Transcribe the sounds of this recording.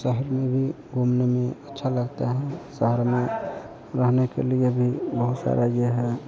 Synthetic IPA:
səɦəɾmẽbʱi | ɡʱumnemẽətːʃʰaləɡt̪eɦɛ̃səɦəɾmẽ | ɾəɦnekḛliebʱibəɦut̪sa̰ɾaɡeɦɛ

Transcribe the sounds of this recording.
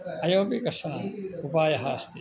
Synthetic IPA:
ɐjõːbikɐsɐnaːupaːjɐɦaːst̪i

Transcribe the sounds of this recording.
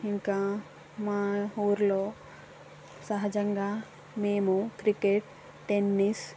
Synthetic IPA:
iŋkaː | maːuːɾlo̞ː | sɐɦɐd͡ʒɐŋɡaː | meːmukɾikeʈ | ʈenːis

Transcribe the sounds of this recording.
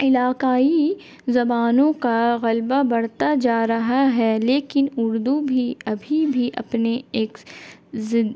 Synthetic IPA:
ɪlaːkaːi | zɐbaːnõkaɣɐlbabɐɽt̪ad͡ʒaːɾɐɦaɦɛleːkɪnʊɾd̪ubʱiɐbʱibʱiʔɐ̰pneeːkzɪ

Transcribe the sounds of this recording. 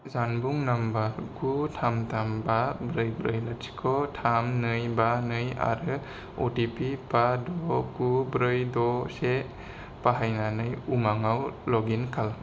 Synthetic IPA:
zanbuŋnambakutʰamtʰambabɾɯjbɾɯjlatsi̥kʰɔtʰamnɯjbanɯja̰ɾɯ | otipipadɔkubɾɯjdɔse | paɦajnanɯjumaŋawlɔɡinkʰal

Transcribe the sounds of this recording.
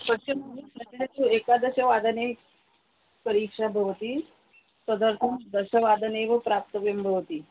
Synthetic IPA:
pət͡ɕəməɡusətat̪uekad̪əɕəʋad̪əne | pəɾikʂabʱəʋt̪iː | səd̪əɾt̪ʰəmd̪əɕəʋad̪əneʋəpɾap̚t̪əʋjəmbʱəʋt̪iː

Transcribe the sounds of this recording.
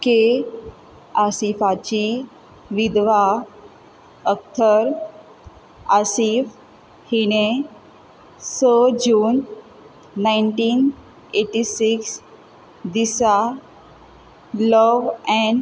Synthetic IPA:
ke | asifat͡ɕi | ʋid̪ʋa | ək̚t̪ʰəɾ | asif | hine | səd͡ʑuːnː | aɪnʈiːn | eʈisiks | d̪isa | ləʋɛ̃ɳɖ

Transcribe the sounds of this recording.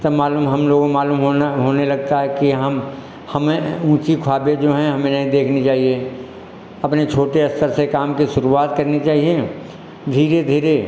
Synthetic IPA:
t̪omaːluːmɦɐmloːɡmaːluːmɦoɦoːnelɐɡ̚t̪aɦɛkiɦɐm | hɐmẽũːt͡ʃikʰaːbed͡ʒoːɦɛ̃ɦɐmẽnɐɦĩd̪eːkʰnit͡ʃaːɦie | ɐpnet͡ʃʰoːʈeɐst̪əɾsekaːmkiʃʊɾuaːt̪kɐɾnit͡ʃaːɦie | d̪ʱiːɾed̪ʱiːɾe

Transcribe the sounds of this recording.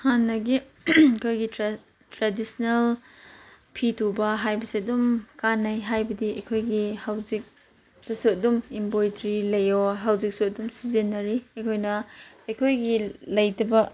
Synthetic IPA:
hanːɐɡi | kʰojɡitɾ | tɾadisnel | pʰitʰubɐɦajbɐsiɐdumkanːɐjɦajbɐdiɐjkʰojɡihawzik̚ | dɐsuɐdumimbojdɾilɐjoɦawzik̚suɐdumsizenːɐɾiɐjkʰojnɐɐjkʰojɡilɐjdɐbɐ

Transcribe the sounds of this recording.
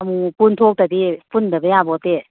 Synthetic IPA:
mupunt̪ʰok̚t̪əd̪ipundəbəjabɔt̪e

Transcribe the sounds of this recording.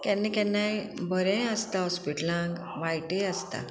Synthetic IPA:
kɛnːekɛ̃nːajbəɾɛ̃əst̪aɦɔspiʈlãŋɡ | ʋajʈẽast̪a̰

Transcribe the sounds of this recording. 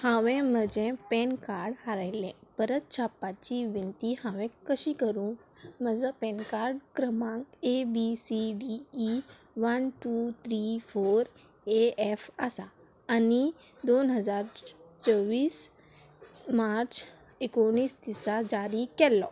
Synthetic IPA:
hãʋẽməd͡ʑẽpɛnkaːɾɖɦaɾailɛ̃pəɾət̪̚t͡ɕʰapːat͡ɕiʋint̪ihãʋɛ̃kəʃikəɾũməzə̃pɛ̃ːnkaːɾɖkɾəmãkebisiɖiː | ʋənʈut̪ʰɾifʰoːɾ | eefasa | ani | d̪oːnɦəzaːɾt͡ʃəʋiːs | maɾt͡ɕ | ekoɽ̃iːst̪isad͡ʑaːɾikɛlːɔ

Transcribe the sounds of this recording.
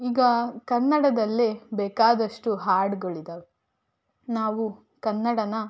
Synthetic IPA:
iːɡɐkɐnːɐɽɐd̪ɐlːibɛːkaːd̪ɐʂʈuɦaːɾɖɡoɭid̪ɐʋe | naːʋu | kɐnːɐɽɐnɐ

